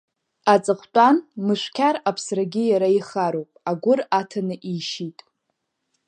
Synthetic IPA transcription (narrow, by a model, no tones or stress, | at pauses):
at͡sʼɨχʷt͡pʷʼanmɨʃʷkʲʰaɾapʰsraɡʲɪjaɾaiχaɾowpʼaɡʷʊratʰanɨʔiʃitʼ